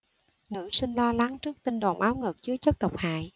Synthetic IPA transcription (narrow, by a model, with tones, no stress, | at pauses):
nɨ̰˧˥sï˧ŋ̟lɔ˧la˨˦ŋt͡ɕɨ˦˥ək̚t̪i˧nɗo̰˨˩ŋ͡mʔaː˨˦wŋɨ˨˩k̚t͡ɕɨ˨˦ət͡ɕə˦˥t̚ɗə˨˩wk͡p̚ha̰ː˧˨j